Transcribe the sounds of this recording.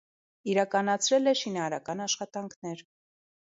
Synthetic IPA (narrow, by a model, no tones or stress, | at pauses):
iɾɑkɑnɑt͡sʰɾɛlɛʃinɑːɾɑkɑnɑʃχɑt̪ɑŋkʰnɛɾ